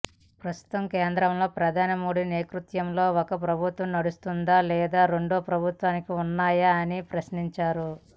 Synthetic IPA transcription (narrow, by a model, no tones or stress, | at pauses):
pɾɐst̪u̥t̪ɐmkeːnd̪ɾɐmlo̞ːpɾɐd̪ʱaːnɐmoːd̪ʱineːkɾut̪jɐmlo̞ːɔkɐpɾɐbʱut̪ʋɐmnɐɽust̪und̪aːlɛːd̪aːɾe̞ɳɖoːpɾɐbʱut̪ʋaːnikiunːaːjaːnipɾɐsniɲt͡ʃaːɾu